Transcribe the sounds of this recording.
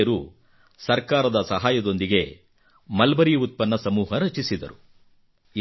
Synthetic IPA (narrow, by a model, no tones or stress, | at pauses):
ɐɾu | sɐɾkaːɾɐd̪ɐsɐɦaːjɐd̪o̞nd̪iɡe̞ | mɐlbɐɾijɐut̪̚pɐnːɐsɐmuːɦɐɾɐt͡ʃisid̪ɐ̰ɾu